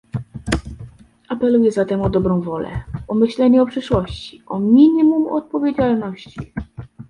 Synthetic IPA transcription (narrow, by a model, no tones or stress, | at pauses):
apɛlujɛzat̪ɛmɔd̪ɔbɾɔ̃w̃vɔlɛ̰ɔmɘɕlɛɲɛɔpʂɘʂwɔɕt͡ɕi̥ʔɔmʲiɲimumɔ̰t̪̚pɔvʲjed͡ʑalnɔɕt͡ɕi